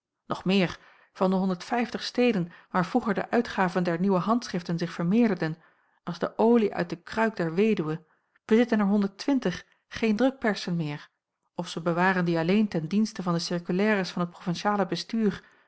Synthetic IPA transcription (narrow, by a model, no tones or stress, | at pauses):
nɔχmɪːɹ | v̥ɑndəɦɔndəɹtfɛjftəχstejdənʋaːɹvruχəɹdə̰ʔœɥtχaːvəndɛɹniwəɦɑntsχrɪftənzɪχfəɹmɪːɹdəɹdən | ɑlˠzdəʔowliʔœ̰ɥt̚dəkrœɥk̚dɛɹʋejdywə | b̥əzɪtənɛɹɦɔndəɹtʋɪntəχː | ejndrɵk̚pɛɹsənmɪːɹ | ɔfsəbəʋaːrəndiɑlejntɛndinstəvɑndəsɪɹkylɛːrəsfɑnɦət̚profɛnʃaːləbəstyːr